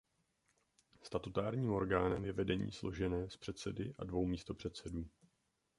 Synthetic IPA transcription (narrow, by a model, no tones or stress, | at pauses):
st̪at̪ut̪aːɾɲiːmo̞ɾɡaːnɛmjɛvɛdɛɲḭːslo̞̰ʒɛnɛːspr̥ɛt̪sɛdɪʔadvo̞wmiːst̪o̞pr̝̥ɛt̪sɛduː